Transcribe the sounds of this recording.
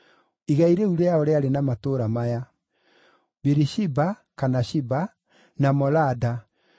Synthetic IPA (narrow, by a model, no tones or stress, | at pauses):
iɣaiɾeuɾejaoɾeaɾenamatoɾamaja | beɾiʃiba | kanaʃiba | namɔlada